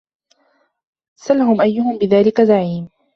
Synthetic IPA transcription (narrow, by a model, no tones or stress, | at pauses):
salaɦʊmʔajːʊhʊmbɪðaːlɪkazaʕiːm